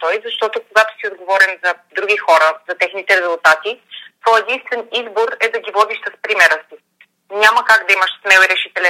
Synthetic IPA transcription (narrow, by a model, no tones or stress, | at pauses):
t̪ɔjzɐʃt̪ɔt̪okoɡat̪o̥siod̪ɡovɔɾɛmzɐd̪ɾuɡʲixɔɾəzɐt̪ɛxnit̪ɛɾɛzulˠt̪at̪it̪vɔjɛd̪inst̪vɛnizboɾɛd̪ɐɡʲivɔd̪iʃsəspɾimɛɾəsi | ɲʲaməkaɡd̪ɐiməʃsmɛlˠiɾɛʃit̪ɛlʲɛ